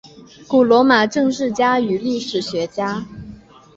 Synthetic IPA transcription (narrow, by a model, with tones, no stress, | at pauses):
ku˨˩lwɔ˧˥ma˨˩ʈ͡ʂɤ˥˧ŋʂɻ̩˥˩t͡ɕja˥y˨˩li˥˩ʂɻ̩˨˩ɕɥɛ˧˥t͡ɕja˥